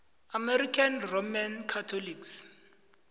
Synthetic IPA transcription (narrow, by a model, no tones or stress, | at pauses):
amɛɾikʰanromankʰatʰoliks